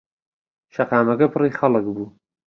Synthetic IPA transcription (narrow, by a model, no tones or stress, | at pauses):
ʃɐqaːmɐkɐpʰɨriːxɐlɨkbuː